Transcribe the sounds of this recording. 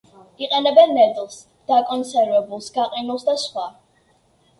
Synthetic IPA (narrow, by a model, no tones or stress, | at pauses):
iqʼɛnɛbɛnːɛd̪ʼlˠs | d̪̥akʼɔnsɛɾvɛbulˠsɡaqʼinulˠsd̪asχwa